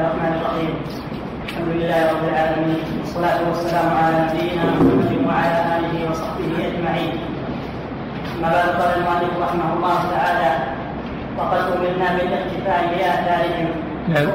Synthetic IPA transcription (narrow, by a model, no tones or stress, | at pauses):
rˤːɑħmaːnɪrˤːɑħiːm | ʔalħamd̪ʊlɪlːaːhɪɾˤɑbːɪlʕaːlamiːnwɑsˤːɑlaːt̪ʊwasːalaːmʊʕalaːnabɪjːɪnaːmʊħamːad̪ɪwaʕalaːʔaːlɪɦɪwɑsˤɑħbɪɦɪʔad͡ʒmaʕiːn | ʔamːaːbaʕd̪ʊqɑːlalmʊʔalːɪːkɾˤɑħɪmahʊlˤːɑːhʊt̪aʕaːlaː | wɑqɑd̪ʔʊmɪlnaːmɪlʔɪqt̪ɪfaːʔɪbɪlʔahθaːɾɪɦɪm